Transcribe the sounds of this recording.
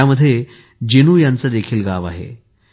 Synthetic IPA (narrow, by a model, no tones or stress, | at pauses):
aməd̪ʱːje | d͡ʑenuːjãnt͡səd̪ekʰiːlɡaʋa̰ɦḛ